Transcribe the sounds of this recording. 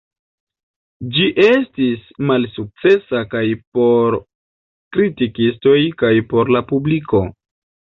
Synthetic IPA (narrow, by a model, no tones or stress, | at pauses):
d͡ʒiʔe̞stismalsuk̚t͡se̞sakajpo̞ɾ | kɾitikisto̞jkajpo̞ɾlapubliko̞